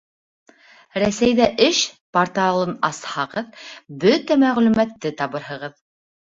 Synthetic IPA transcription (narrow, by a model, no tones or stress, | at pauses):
ɾæsæjðæʔɘʃport̪ɑlˠɤnɑshɑʁɤðbɵt̪æmæʁlʉmæt̪ːɘt̪ɑβɤ̆ɾɦɤ̆ʁɤð